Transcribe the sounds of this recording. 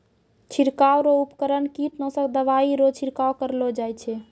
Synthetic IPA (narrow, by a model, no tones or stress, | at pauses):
t͡ʃʰiɾkawɾoupkəɾənkiʈnə̃səkd̪əʋaiɾot͡ʃʰiɾkaokəɾlod͡ʒajt͡ʃʰɛ